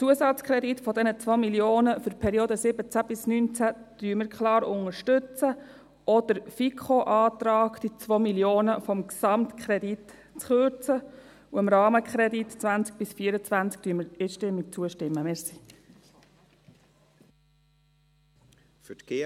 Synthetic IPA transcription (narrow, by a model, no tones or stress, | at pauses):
t͡suəsɑt͡skχɾɛd̪itfɔd̪ɛnət͡sʋomiljoːnəfʏɾpʰɛɾioːd̪əsɪbət͡sæb̥ɪsnynt͡sæd̪̥yəməɾkχlɑːɾʊŋəɾʃtʏt͡sə | ʔɔd̪̥əɾfikʰχoʔɑːt̪ɾɑːkd̪̥it͡sʋomiljoːnəfɔmksɑmt̪kʰχɾɛd̥̪it | t͡sχøɾt͡sə | uɪmɾɑːməkχɾɛditt͡svænt͡sk̚b̥ɪsfiəɾət͡svʋænt͡sk̚tyəməɾɪʃtɪmːɪk̚t͡suəʃtɪmːəmɛsi | f